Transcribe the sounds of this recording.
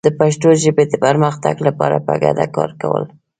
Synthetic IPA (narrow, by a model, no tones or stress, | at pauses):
d̪̥əpaʃʈoʒəbed̪əpəɾməxt̪a̰ɡlapɑɾapaɡad̪akɑɾkawə̰l